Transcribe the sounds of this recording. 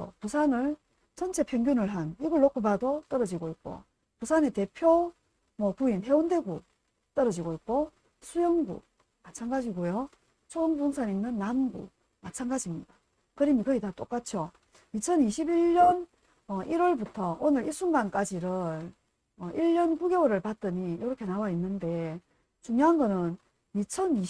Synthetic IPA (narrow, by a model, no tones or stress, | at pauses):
o̰pusʰanɯɭ | t͡ɕʰʌnt͡ɕʰe̞pʰjeŋɡjunɯɭɦaniɡuɭːokʰobadot͈ʌɾʌd͡ʑiɡoik̚k͈o̰ | pusʰane̞te̞pʰjo | mwʌpuinɦe̞onde̞ɡu | t͈ʌɾʌd͡ʑiɡoik͈̚o | sʰujʌŋɡṵ | mat͡ɕʰanɡad͡ʑiɡojo | t͡ɕʰoɯnbunsʰaniŋnɯnːamɡṵ | mat͡ɕʰanɡad͡ʑimɲida | kɯɾimikɯitat͈ok͈at͡ɕʰjo | it͡ɕʰʌniɕʰibiʎːʌn | ʌʔiɾwʌɭbutʰʌʔonɯɾiɭs͈uŋɡank͈ad͡ʑiɾɯɾ | ʌʔiʎːʌnkuɡeoɾɯɭpat̚t͈ɯɲijoɾʌkʰe̞nawainːɯnde̞ | t͡ɕuŋjoɦanɡʌnɯn | mit͡ɕʰʌni